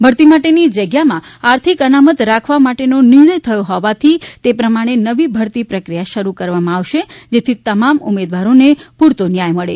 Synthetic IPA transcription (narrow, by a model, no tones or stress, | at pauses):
bʱəɾt̪imaʈenid͡ʒəɡjamãaɾt̪ʰikənamət̪ɾakʰʋamaʈenonɪɾɳ̃əjt̪ʰəjõɦɔʋat̪ʰit̪epɾəmaɽ̃enəʋibʱəɾt̪ipɾəkɾijaʃəɾukəɾʋamãaʋʃed͡ʒet̪ʰit̪əmamṵmed̪ʋaɾonepuɾt̪onjajməɭḛ